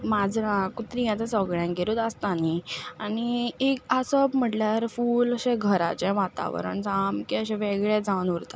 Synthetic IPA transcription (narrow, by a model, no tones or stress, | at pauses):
mad͡zɾãkut̪ɾĩjãt͡s̪asəɡɭjãŋɡeɾut̪əst̪anianiekəsəbm̤əʈljaɾfuːləɕẽɡʱəɾa̰t͡ɕɛ̃ʋat̪a̰ʋə̰ɾə̰ɳt͡samkiəɕɛ̃ʋeɡɭad͡zaʋunuɾt̪a̰